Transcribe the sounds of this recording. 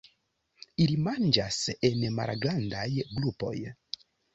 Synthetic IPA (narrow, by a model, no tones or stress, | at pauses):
ilimand͡ʒasenma̰lɡlandajɡlupo̞̰j